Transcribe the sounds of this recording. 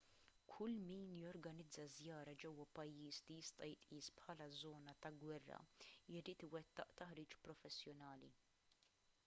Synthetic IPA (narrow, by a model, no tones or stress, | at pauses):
kʰʊlːmiːnjɔɾɡɐnɪd͡zːɐzjɐːɾɐd͡ʒɛwːɐpɐjːiːst̪ijɪst̪ʼɐjɪt̪ʼʔiːspħɐːlɐzɔːnɐt̪ɐɡwɛrːɐ̰jɪɾiːt̪ɪwɛt̪ːɐ̰ʔt̪ɐħɾiːt͡ʃpɾɔfɛsːjɔnɐːli